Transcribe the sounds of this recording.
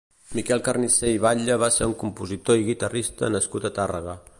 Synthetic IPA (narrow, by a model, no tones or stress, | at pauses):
mikɛlˠkərniseiβaʎəβaseɾuŋkumpuzit̪oiɣit̪ərist̪ə̰nəskut̪ət̪arəɣə